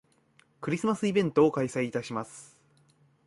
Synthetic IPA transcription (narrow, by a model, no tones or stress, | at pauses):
kɯ̟ɾʲisɨmasɨibẽ̞nt̪o̞ːkaisaiːt̪aɕimasɨ̥